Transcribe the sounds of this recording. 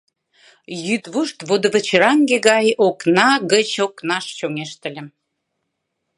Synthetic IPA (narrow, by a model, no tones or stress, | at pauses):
jyt̪βuʃt̪vod̪əvət͡ɕeɾɑŋɡeɣɑjoknɑɣət͡ɕoknɑʃt͡ɕoŋeʃt̪ə̆lʲĕm